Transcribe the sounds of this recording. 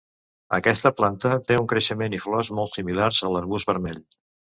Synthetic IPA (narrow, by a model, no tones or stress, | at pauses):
ə̰kɛst̪əplant̪ət̪euŋkɾəʃəmeniflɔzmɔlˠt̪similaɾzəlˠəɾβuzβəɾmɛʎ